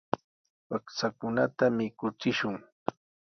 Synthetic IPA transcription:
paksakʊnat̪amɪkʊt͡sɪʃʊŋ

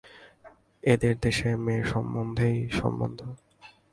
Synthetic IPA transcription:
ed̪eɾd̪eʃemeʃɔmbond̪ʱejʃɔ̰mbo̰nd̪ʱo

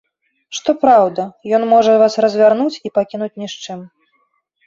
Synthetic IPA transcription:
ʂt̪ɔpɾawd̪ɐjɔnmɔʐɐvasrɐzʲvʲarnut͡sʲipakʲinut͡sʲnʲiʂt͡ʂɨm

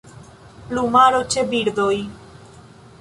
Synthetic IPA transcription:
plumaɾot͡ʃebiɾd̪oj

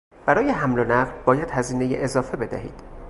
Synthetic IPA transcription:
b̥æɾɒːjeɦæmlonæɢlbɒːjæd̪hæziːne̞jeʔezɒːfebe̞d̪æ̰hḭːd̪̥

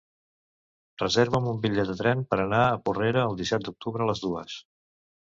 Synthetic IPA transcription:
rəzeɾβəmumbiʎɛt̪̚d̪ət̪ɾɛmpəɾənaəpureɾəːlˠd̪isɛt̪̚d̪uk̚t̪uβɾəːləzðuə̰s

